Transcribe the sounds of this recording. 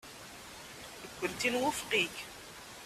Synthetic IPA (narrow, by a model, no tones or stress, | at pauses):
əkʷːənt̪inwʊfqiç